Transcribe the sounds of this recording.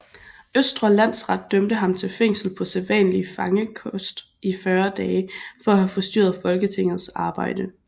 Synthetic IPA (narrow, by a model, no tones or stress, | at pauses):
øsd̥ʁɐlæn̰sʁɑ̈d̥̚ːømd̥əɦɑ̈mt͡sʰe̝lfeŋ̰sl̩pʰɒ̽sælʋɛ̰ːnlifɑ̈ŋəkʰɔsd̥ | ifɶːɐd̥ɛːfɒ̽æhæfɒ̽sd̥y̰ːɐð̩ˠfɒ̽lɡ̥ət͡sʰe̝ŋ̰ð̞̩ˠsɑ̈ːb̥ɑ̈ɪ̰d̥ə